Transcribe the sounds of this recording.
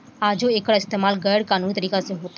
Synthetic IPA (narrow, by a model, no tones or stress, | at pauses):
ad͡ʒoekəɽaɪst̪eːmaːlɡəjɽkaːnuːnit̪əɾiːkasẽɦot̪